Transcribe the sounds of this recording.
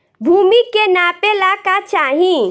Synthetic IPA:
bʱumikenapelakat͡ʃaːɦĩ

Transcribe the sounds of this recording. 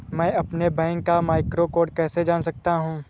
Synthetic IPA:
mɛ̃ːɐpnebɛ̃ːŋkːamaːɪkɾokoːɖkɛːsed͡ʒaːnsɐk̚t̪aɦũː

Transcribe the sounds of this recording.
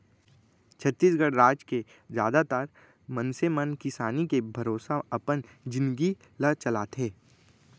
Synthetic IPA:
t͡ʃʰət̪ːiːsɡəɽɾaːd͡ʒke | d͡ʒjaːd̪at̪aːɾ | mənsemənkɪsaːnikebʱɐɾoːsaɐpən | d͡ʒɪ̃nd̪ɡi | lət͡ʃɐlaːt̪ʰeː

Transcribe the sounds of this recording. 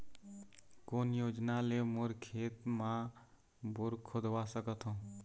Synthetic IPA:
koːnjoːd͡ʒnalemʊɾkʰeːt̪mã | bʊɾkʰod̪wasəkət̪ɦõː

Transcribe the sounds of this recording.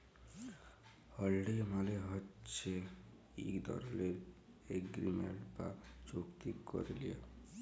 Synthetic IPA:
hɔlɖimaleɦɔt͡ʃe | ḭkd̪ɔ̰ɾɔleɾ | eɡɾimḛɳʈpa̰t͡ʃokt̪ikɔ̰ɾilie

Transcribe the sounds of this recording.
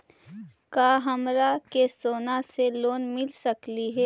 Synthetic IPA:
kaːɦɐmɾakesoːnaseloːnmɪlsəkliɦɛː

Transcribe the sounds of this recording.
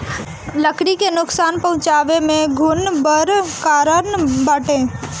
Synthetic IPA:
ləkɽikenʊksaːnpɐɦʊ̃t͡ʃaːʋemẽɡʱʊnbəɾkaːɾənbəʈẽː

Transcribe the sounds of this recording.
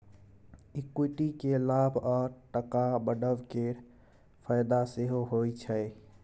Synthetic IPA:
ikuʈikelabʱɔːɾʈəkabəɖəʋkeɾ | pʰəɪd̪aseɦoɦojt͡ʃʰəɪ

